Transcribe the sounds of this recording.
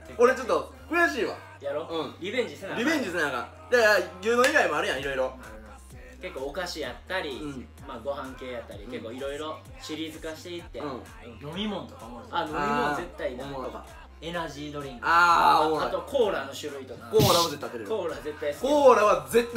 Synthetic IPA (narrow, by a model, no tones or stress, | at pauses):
oɾet͡ɕo̞t̪ːo | kɯ̟jaɕiːβa̰ | jaɾoɯ̃ɾʲibẽ̞ɲ̟d͡ʑisenaɾʲibẽ̞ɲd͡ʑiesenãŋka̰ | d͡ʑajɯːnoiɡaimoaɾɯ̟jãiɾo̞iɾo̞ | ke̞kːo̞ːkaɕijat̪ːaɾʲĩ | maːɡo̞hãŋke̞ːjat̪ːaɾʲikke̞kːo̞ːiɾo̞iɾo̞ | ɕiɾʲizɨkaɕi̥t̪eit̪ːe̞ɯ̃ | j̪omʲimõnt̪okaajomʲimõnze̞t̪ːainaoka̰ | enaʑiːd̪oɾʲĩŋɡaːoat̪okʰo̞ːɾaːno̞ɕɨɾɯ̟it̪okakoːɾaːβazet̪ːat̪ːeɾeɾkoːɾaːze̞t̪ːaisɨ̥koːɾaβaze̞t̪ː